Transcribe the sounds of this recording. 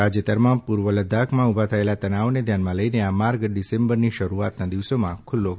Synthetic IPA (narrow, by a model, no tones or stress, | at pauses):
ad͡ʒət̪əɾmãpuɾʋələd̪ʱakʰmãubʱat̪ʰəelat̪ənaʋoned̪ʱjanmãləineamaɾɡɖisẽmbəɾniʃəɾuat̪nad̪iʋsomãkʰʊlːo